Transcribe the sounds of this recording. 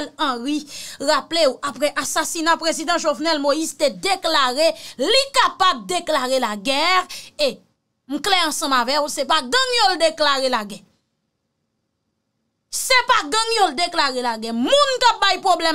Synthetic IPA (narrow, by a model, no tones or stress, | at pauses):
lʌ̃ɣiɣapleuʔapɣɛʔasasinapʁezid̪ɑ̃ʒovnɛlmojizt̪ed̪eklaɣelikapab̚d̪eklaɣelaɡɛʁe | m̩klɛɐ̃sʌ̃mavɛkusepaɡɐ̃ŋjold̪eklaɣelaɡɛ | sepaɡʌ̃ŋjold̪eklaɣelaɡɛmũnkap̚bajpʁoblɛ